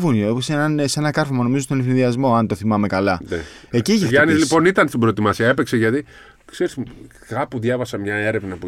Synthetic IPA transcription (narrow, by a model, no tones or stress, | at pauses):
vunosenɐnsenɐkɐɾfomɐno̞mizost̪onefθinðiɐzmo̞ɐnt̪o̞θimɐme̞kɐlɐneeciçiʝɐnizlipo̞nit̪ɐnst̪ibɾoet̪imɐsiɐe̞pekseʝɐt̪i | kse̞ɾis | kɐpuðʝɐvɐsɐmɲɐe̞ɾe̞vnɐpu